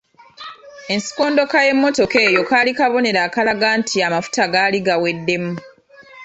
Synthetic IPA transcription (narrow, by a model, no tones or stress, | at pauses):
e̞nsi̥ko̞ːndo̞kaje̞mːo̞to̞ke̞ːjo̞kaːlikaβo̞ne̞ɾaːkalaɡaːntʰiamafu̥taɡaːliɡawe̞dːe̞mu